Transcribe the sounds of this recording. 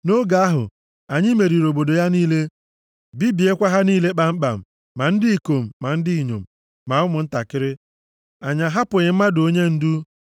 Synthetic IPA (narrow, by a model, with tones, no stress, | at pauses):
no˦ɡa˨a˦ɦʊ̰˨ | a˨ɲɪ˦me˨ɾi˨ɾo˨bo˨do˨ja˦niː˦le˦ | bi˦bi˨e˦kʷa˦ɦa˦niː˦le˦k͡pa˨m̩˦k͡pa̰˨m̩˨ | ma˨n̩˦dɪ˦i˨ko˨m̩˨ma˨n̩˦dɪ˦i˨ɲo̰˨m̩˨ | ma˨ʊ˦mʊ˨n̩˦ta˨kɪ˦ɾɪ˦ | a˨ɲa˨ɦa˦pʊ˨ɾɪ˨m̩˦ma˦do˦ɲe˦n̩˦du˦